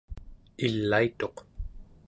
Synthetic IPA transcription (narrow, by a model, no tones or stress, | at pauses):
ilːait̪o̞q